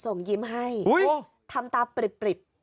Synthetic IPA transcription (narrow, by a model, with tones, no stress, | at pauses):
so˨˩ŋji˧əmɦa˥˩ju˦˥j | t̪ʰa˧mt̪aː˧pɾi˨˩pːɾi˨˩p̚